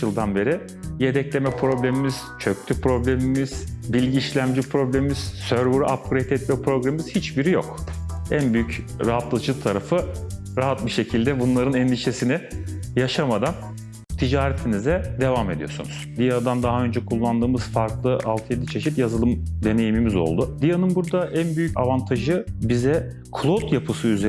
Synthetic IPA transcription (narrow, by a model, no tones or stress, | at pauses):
ɯlˠd̪anbe̞ɾi | je̞d̪ɛclʲe̞mɛpʰɾo̞blʲemimiz̥t͡ʃʰø̞ct̪ʰypʰɾo̞blʲemimiz̥bilʲɟiːʃlʲæmd͡ʒipʰɾo̞blʲemimiz̥søɾbuɾʔap̚kʰuɾet̪ʰɛt̪̚mɛpɾo̞ɡɾamimiz̥hit͡ʃbiɾijo̞̰kænbyjycɾaɦat̪lˠɯd͡ʒɯt̪ʰaɾafɯ | ɾaɦat̪̚biʃe̞cʰilʲd̪ɛbunlˠaɾɯnɛnd̪iʃe̞sinɪjaʃamad̪an | t̪ʰid͡ʒaːɾɛt̪ʰinizɛd̪e̞vame̞d̪ijo̞sṵnuz̥d̪ijad̪and̪aɦaø̞nd͡ʒɛkʰulˠːand̪ɯːmɯz̥faɾklˠɯʔalˠt̪ʰjed̪it͡ʃʰe̞ʃit̪jazɯlˠɯmd̪e̞ne̞jimimizo̞̰lˠd̪ud̪ijanɯnbuɾd̪aʔænbyjycavant̪ʰaʒɯbizɛ | kʰlˠot̪japʰɯsɯyze